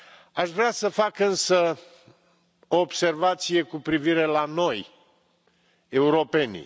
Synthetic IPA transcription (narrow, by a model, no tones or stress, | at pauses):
aʃvɾeasəfakɨnsə | o̞ːbse̞rvat̪sije̞kupɾiviɾe̞lano̞j | e̞uɾo̞pe̞nḭ